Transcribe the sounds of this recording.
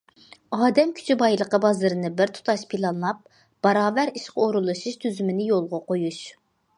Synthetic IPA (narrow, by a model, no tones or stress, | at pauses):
ɑːd̪ɛmkʲʰy̥t͡ʃʰybɑjlˠəqəbɑzɨɾɨnɨbɪɾt̪ʰu̥t̪ʰɑʃpʰilˠɑnlˠɑp̚ | b̥ɑɾɑːvæɾiʃqɑoɾulˠɨʃɨʃt̪ʰyzymɪnɪjolˠʁɑqojuʃ